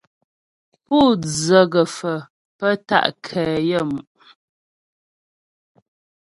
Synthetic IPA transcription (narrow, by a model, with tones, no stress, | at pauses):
puː˦˨d͡zə˨ɣə˨fə˨ | pə˦ta̰˦ʔkʰɛː˨jə˦˨mu˨ʔ